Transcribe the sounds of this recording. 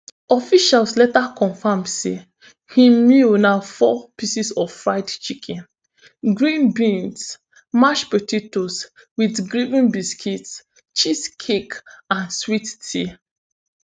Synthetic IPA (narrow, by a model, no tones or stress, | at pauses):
ɔfiʃalslɛtakɔ̃nfamsḛ | hĩminaʊfɔpisisɔffɹaɪtt͡ʃikʰɛ̃n | ɡɹĩnbĩns | maʃpətʰetos | widɡɹivĩnbiskʰits | t͡ʃiskʰekãnswitːi